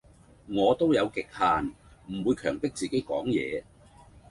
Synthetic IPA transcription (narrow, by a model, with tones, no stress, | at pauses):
ŋɔː˨˧t̪o˥wjɐ˨˧wkɪ˨k̚haː˨n | m̩˨˩wuː˨˧jkʰœː˨˩ŋp̪ɪ˥k̚t͡siː˨ke˨˥jkɔ̰ː˨˥ŋjɛ̰ː˨˧